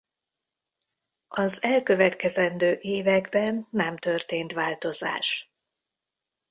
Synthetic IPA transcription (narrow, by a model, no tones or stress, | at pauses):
ɒzɛlkø̞vɛt̪kɛzɛnd̪øːʔeːvɛɡbɛnːɛmt̪ørt̪eːnt̪ʋaːlt̪o̞za̰ːʃ